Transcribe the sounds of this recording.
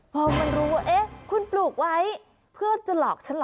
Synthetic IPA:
waː˧˩wma˧nɾuː˦˥waː˥˩ʔe˦˥˩kʰu˧npluː˨˩k̚wa˦˥j | pʰɯ˥˩ət͡ɕa˨˩lɔː˨˩k̚t͡ɕʰa˦˥nlː

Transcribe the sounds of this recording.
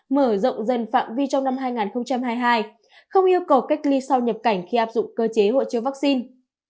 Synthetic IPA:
məː˧˩zə̰˧˨wŋ͡mzə˨˩nfa̰ː˧˨mvi˧t͡ɕɔ˧wŋ͡mna˧mɦaː˧jŋaː˨˩nxə˧ŋ͡mt͡ɕa˧mɦaː˧jɦaː˧j | xə˧wŋ͡mʔi˧əwkə˨˩wka˦˥jk̟̚li˧sa˧wɲə˨˩p̚ka˧˩jŋ̟xi˧ʔaː˦˥p̚zʊ̰˧˨ŋ͡mkəː˧t͡ɕe˨˦ɦo̰˧˨jt͡ɕi˨˧əwvaː˦˥k̚si˧n

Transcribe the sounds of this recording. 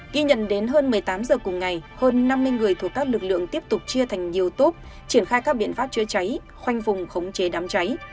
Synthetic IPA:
ɣi˧ɲə̰˧˨nɗe˨˦nɦəː˧nmɨ˨˩əjt̪aː˨˦mzəː˨˩kʊ˨˩ŋ͡mŋa˨˩jhəː˧nːa˧mːɨ˧nŋɨ˨˩əjt̪ʰəkːaː˦˥k̚lɨ˨˩k̚lɨ̰˧˨əŋt̪i˦˥əp̚t̪ʊ˨˩k͡p̚t͡ɕɨ˧ət̪ʰa˨˩jŋ̟ɲi˨˩əwt̪o˦˥p̚ | t͡ɕi˧˩ənxaː˧jkaː˦˥k̚ɓḭ˧˨ənfaː˦˥p̚t͡ɕwi˨˦ət͡ɕa˨˦j | xwa˧jŋ̟fʊ˨˩ŋ͡mxə˨˦wŋ͡mt͡ɕe˨˦ɗaː˨˦mt͡ɕa˨˦j

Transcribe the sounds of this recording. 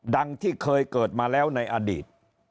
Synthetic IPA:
da˧ŋt̪ʰiː˥˩kʰɤː˧jkɤː˨˩t̪̚maː˧lɛː˦˥wna˧jʔaː˧diː˨˩t̪̚

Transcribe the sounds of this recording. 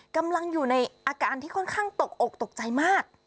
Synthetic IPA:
ka˧mla˧ŋjuː˨˩na˧jʔaː˧kaː˧nt̪ʰiː˥˩kʰɔ˥˩nkʰaː˥˩ŋt̪o˨˩k̚to˨˩k̚t̪o˨˩k̚t͡ɕa˧jmaː˥˩k̚

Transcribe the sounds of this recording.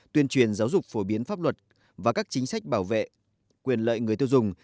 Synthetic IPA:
t̪wi˧ənt͡ɕwi˨˩ənzaː˨˦wzʊ˨˩k͡p̚fo˧˩ɓi˨˦ənfaː˦˥p̚lwə˨˩t̚ | vaː˨˩kaː˦˥k̚t͡ɕï˨˦ŋ̟sa˦˥jk̟̚ɓaː˧˩wvḛ˧˨ | kwi˨˩ənlə̰ː˧˨jŋ˨˩əjt̪i˧wzʊ˨˩ŋ͡m

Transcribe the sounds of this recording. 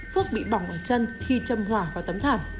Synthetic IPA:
fu˦˥ək̚ɓḭ˧˨ɓɔ˧˩ŋ͡mʔəː˧˨˩t͡ɕə˧nxi˧t͡ɕə˧mɦwaː˧˩vaː˨˩wt̪ə˨˦mt̪ʰaː˧˩m

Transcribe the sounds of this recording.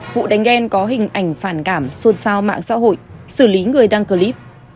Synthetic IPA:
vṵ˧˨ɗa˨˦jŋ̟ʔɛ˧nkɔ˨˦ɦï˨˩ŋ̟ʔa˧˩jŋ̟faː˧˩nkaː˧˩mso˧˩nsaː˧wma̰ː˧˨ŋsa̰ː˧˥ɦo̰˧˨jsɨː˧˩li˨˦ŋɨ˨˩əjɗaː˧ŋkəː˧li˦˥p̚

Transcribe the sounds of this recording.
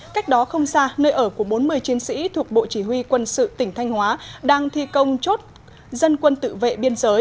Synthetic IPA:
ka˦˥jk̟̚ɗɔ˨˦xə˧wŋ͡msaː˧nəː˧jʔəː˧˩ku˧˩əɓo˨˦nmɨ˧əjt͡ɕi˨˦ənsḭ˧˥t̪ʰu˨˩ək̚ɓo̰˧˨t͡ɕi˧˩ɦwi˧kwə˧nsɨ̰˧˨t̪ï˧˩ŋ̟t̪ʰa˧jŋ̟hwaː˨˦ɗaː˧ŋt̪ʰḭ˧˨kə˧wŋ͡mt͡ɕo˦˥t̚ | zə˧nkwə˧nt̪ɨ̰˧˨vḛ˧˨ɓi˧ənzəː˨˦j

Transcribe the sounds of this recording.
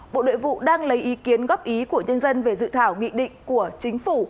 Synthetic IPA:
ɓo̰˧˨ɗo̰˧˨jvṵ˧˨ɗaː˧ŋlə˨˦jʔi˨˦ki˨˦ənɣɔ˦˥p̚ʔi˨˦ku˧˩əɲə˧nzə˧nve˨˩zɨ̰˧˨t̪ʰaː˧˩wŋḭ˧˨ɗḭ̈˧˨ŋ̟ku˧˩ət͡ɕï˨˦ŋ̟fu˧˩

